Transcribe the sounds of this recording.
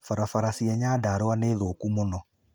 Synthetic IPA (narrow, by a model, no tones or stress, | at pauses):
faɾafaɾasiɛɲadaːɾowaneðokumonɔ